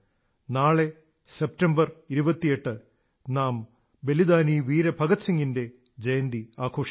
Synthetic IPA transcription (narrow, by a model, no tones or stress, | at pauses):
naːɭe | sep̚tɐmbɐriɾubɐt̪ːijeʈːɨ | naːm | be̞lid̪aːniːʋiːɾɐbʱɐɡɐt͡ɕːɐŋːinde̞ | d͡ʑejɐnd̪iaːkʰo̞ːʂ